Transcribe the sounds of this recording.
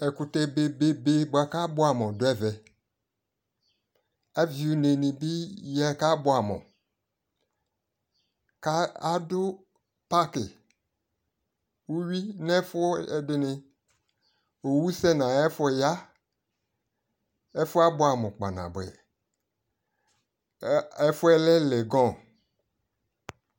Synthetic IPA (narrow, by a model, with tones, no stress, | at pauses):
ɛ˨kʊ˨tɛ˨be˨be˦be˦ba˨ka˦bʊ˦a˨mɔ̃˨dʊ˦ɛ˦vɛ˨ | a˦vi˨u˨˦ne˨nɪ̃˨bɪ˦jɛ˦ka˦bʊ˨˦a˨mʊ̰̃˨ | ka˦a˦dʊ˦ | pa˦kɪ̰˨ | wu˦ɥi˦nɛ˦fʊ˦ɛ˨dɪ˦nɪ̃˨ | o˨wu˦sɛ˦nã˨ɛ˦fɔ˦˨ja˦ | ɛ˦fʊ˦a˦bʊ˦a˨mɔ̃˨k͡pa̰˨nã̰˨bɛ̰˨ | ɛ˦fʊ˦ɛ˦lɛ˦lɛ˨ɡɔ̃˦˨